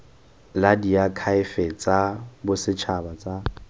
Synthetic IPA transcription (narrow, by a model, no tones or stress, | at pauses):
ladiakʰaɪfɛt͡sʼabʊsɪt͡ʃʰabat͡sʼa